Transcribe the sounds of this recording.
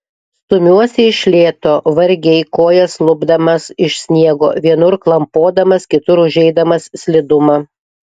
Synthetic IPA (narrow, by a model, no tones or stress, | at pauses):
st̪ʊmʲuɔsʲɛɪʃʲlʲeːt̪oːʋɐɾʲɡʲɛɪkoːjɛslˠʊbd̪ɐmɐsɪʃʲsʲnʲiɛɡo̰ːʋʲiɛnʊɾklˠɐmpoːd̪ɐmɐskʲɪt̪ʊɾʊʒʲɛɪd̪ɐmɐssʲlʲɪd̪ʊmɐ